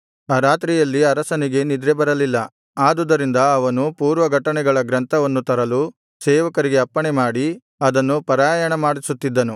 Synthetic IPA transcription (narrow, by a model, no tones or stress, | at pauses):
aːɾaːt̪ɾijɐlːiɐɾɐsɐniɡe̞nid̪ɾɛbɐɾɐlilːɐ | aːd̪ud̪ɐɾind̪ɐɐʋɐnupuːɾʋɐɡʱɐʈɐɳɛɡɐɭɐɡɾɐnt̪ʰɐʋɐnːut̪ɐɾɐlu | sɛːʋɐkɐɾiɡe̞ɐpːɐɳemaːɽi | ɐd̪ɐnːupɐɾaːjɐɳɐmaːɽisut̪ːid̪ːɐnu